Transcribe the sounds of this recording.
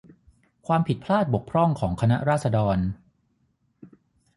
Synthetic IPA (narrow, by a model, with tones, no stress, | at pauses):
kʰwaː˧mpʰi˨˩t̪̚pʰlaː˥˩t̪̚bo˨˩k̚pʰɾɔ˥˩ŋkʰɔː˩˦ŋkʰa˧na̰˦˥ʔɾaː˥˩t̪̚sa˧dɔː˧n